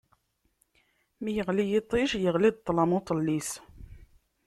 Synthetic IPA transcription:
mijəʁlijit̪ˤːiʃjəʁlid̪̚t̪ˤːlɑmot̪ˤəlːis

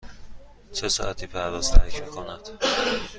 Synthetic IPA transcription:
t͡ʃʰesɒ̰ʔæt̪ʰiːpʰæɾd̪ɒːz̥t̪ʰæɾcʰmiːkʰonæd̪̥

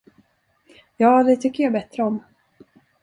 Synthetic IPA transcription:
jɑːd̪ɛt̪ʰʏkːəɾjabɛt̪ɾəɔm

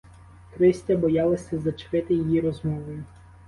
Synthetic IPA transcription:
kɾɪsʲtʲɐbɔjɑlˠɐsʲɐzɐt͡ʃʋɪt̪ɪjijiɾɔzmɔʋɔjʊ

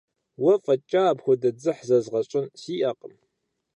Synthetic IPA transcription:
wɐfʼɐt͡ʃʼaːbxʷʊdɐd͡zɨħzɐzʁɐɕʼɪnsiːʔɐqʼəm

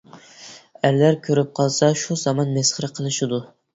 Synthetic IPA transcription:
æɾlæɾkʲʰøɾyp̚qʰɑlˠsɑʃuzɑmɑnmɛsχəɾɨqʰəlˠɨʃɨd̪u

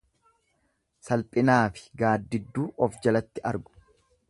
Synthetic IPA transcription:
sɐlpʼɪnaːfɪ̥ɡaːd̪ːɪd̪ːuːʔɔfd͡ʒɐlɐt̪ːɪʔɐɾɡʊ̥

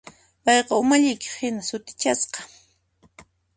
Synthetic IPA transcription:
pɑjqɑʊmaʎɪjkɪ̥hɪnasʊt̪ɪ̥t͡ʃasqɑ̥

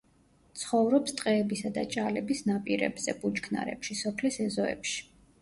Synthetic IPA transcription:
t̪sʰχɔvɾɔpst̪ʼqʼɛːbisad̪a̰t͡ʃʼalɛbisnapʼiɾɛ̰bz̥ɛbʼut͡ʃkʰna̰ɾɛ̰pʃisɔpʰlisɛzɔɛ̰pʃi̥

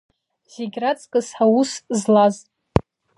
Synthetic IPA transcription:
zeɡʲrat͡sʰʼkʼɨsħawuszlaztʼ

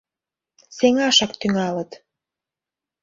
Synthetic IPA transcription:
seŋɑʃɑk̚t̪yŋɑlət̪

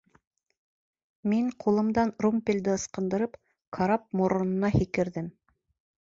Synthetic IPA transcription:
miɴqʰulˠɤ̆md̪ɑnrumpʲilʲd̪ɘɤ̆sqɤ̆nd̪ɤ̆ɾɤp | kʰaɾɑp̚muɾŏnɤ̆nɑhikɘ̆ɾðɘm

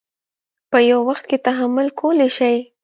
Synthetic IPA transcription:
pəjawwaxt̪̚ket̪aɦamʊlkʰoleʃaj

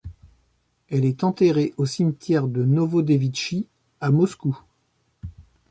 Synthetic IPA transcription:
ɛlɛt̪ɑ̃t̪eʁeʔosimt̪jɛʁd̪ənovod̪evid̪ʃi | amɔsku

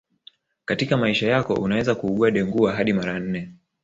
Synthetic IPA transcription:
katikamaiʃajakɔ̰ʔunawɛzakuːɠuaɗɛŋɡuaɦaɗimaɾan̩nɛ

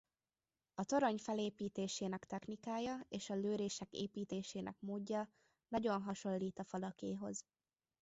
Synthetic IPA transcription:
ɒt̪o̞ɾoɲfɛleːpiːt̪eːʃeːnɛkt̪ɛxnikaːjɒeːʃɒløːɾeːʃɛkḛːpiːt̪eːʃeːnʔɛ̰kmoːɟːɒ | nɒɟo̞nɦɒʃo̞lːiːt̪ɒfɒlɒkeːɦo̞z

